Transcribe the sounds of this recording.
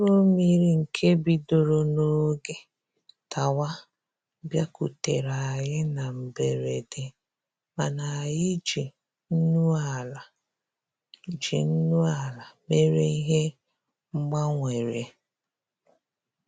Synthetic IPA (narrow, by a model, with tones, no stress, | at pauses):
o˦mi˦ɾi˦ŋ̩˨kʰe˦bi˨do˨ɾo˦no˦ɡe˨ | ta˨wa˦ | bja˦ku˨te˨ɾa˨ɣɪ˦na˨m̩˨be˨ɾe˨de˨ | ma˨na˨jɪ˦d͡ʒi˨ | n̩˦nu˦a˨la˨ | d͡ʒḭ˨n̩˦nu˦a˨la˨me˦ɾe˦i˦ɦe˦ | ŋ͡m̩˦ɡ͡ba˦ŋʷe˨ɾḛ˨